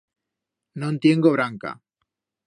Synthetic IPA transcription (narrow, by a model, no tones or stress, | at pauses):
nõnt̪je̞ŋɡoβɾaŋka̰